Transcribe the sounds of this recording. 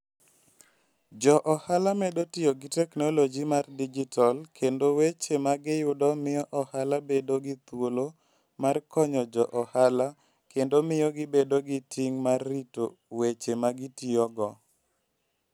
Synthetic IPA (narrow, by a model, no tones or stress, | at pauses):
d͡ʒɔʔɔhalamɛdotɪjoɡɪtɛknolod͡ʒimardid͡ʒitʰalkʰendowet͡ʃemaɡɪjʊdɔmɪjɔʔɔhalabedoɡɪt̪wolo | markɔɲɔd͡ʒɔʔɔhala | kendomɪjɔɡɪbedoɡɪtʰiŋmarːito̰ | wet͡ʃemaɡɪtɪɔɡɔ